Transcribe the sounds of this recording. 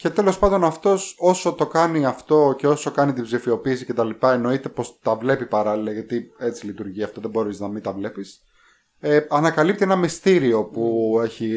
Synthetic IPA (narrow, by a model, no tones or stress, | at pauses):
ce̞t̪e̞lo̞spɐnd̪o̞nɐft̪o̞so̞so̞t̪o̞kɐniɐft̪o̞ce̞o̞so̞kɐnit̪ibzifio̞piːsice̞t̪ɐlipɐe̞no̞it̪e̞po̞st̪ɐvle̞pipɐɾɐlilɐʝɐt̪ie̞t͡silit̪uɾʝiɐft̪o̞ðe̞bo̞ɾiznɐmit̪ɐvle̞pis | eɐnɐkɐlip̚t̪ienɐmist̪iɾio̞pue̞çi